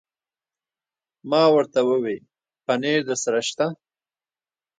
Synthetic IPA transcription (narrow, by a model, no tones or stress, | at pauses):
mɑːwəɾt̪awəwe | paneːɾd̪əsaɾaʃt̪a